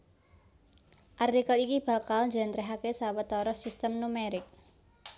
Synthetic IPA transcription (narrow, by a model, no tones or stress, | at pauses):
ʔart̪ikəlikib̥a̤kalnd͡ʒɛnt̪ɾɛɦakesawət̪ɔɾɔsist̪əmnumeɾɪk̚